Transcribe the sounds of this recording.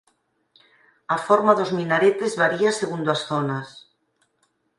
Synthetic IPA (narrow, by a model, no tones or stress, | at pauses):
afoɾmaðozmĩnaɾet̪ezβaɾiaseɣ̞und̪oasθonas